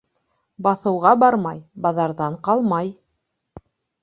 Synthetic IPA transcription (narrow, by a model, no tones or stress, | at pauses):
bɑθɤ̆wʁɑbɑɾmɑjbɑðɑɾðɑɴqɑlˠmɑj